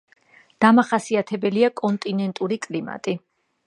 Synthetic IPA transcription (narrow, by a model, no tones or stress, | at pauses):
d̪̥amaχasiat̪ʰɛbɛliakʼɔnt̪ʼinɛnt̪ʼuɾikʼlima̰t̪ʼi